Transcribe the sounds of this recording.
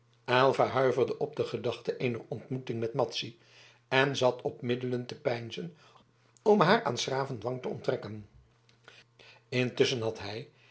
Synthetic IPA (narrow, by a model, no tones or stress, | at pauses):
ʔɛlˠvaɦœɥvərdəʔɔb̚dəχədɑχtəʔejnərɔntmutɪŋmɛtmɑtsi | ɛnzɑtʰɔpmɪdələntəpɛjnzən | ɔmɦaːɹa̰ːnsraːvəndʋɑŋtəɔ̰ntrɛkən | ɪntɵsənɦɑtɦɛj